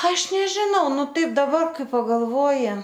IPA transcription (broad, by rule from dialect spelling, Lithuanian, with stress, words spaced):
ˈɐʃ nʲɛʒʲɪˈnɐʊ ˈnʊ ˈtɐɪp dɐˈbɐr ˈkɐɪ pɐɡɐlˠˈʋoːjɪ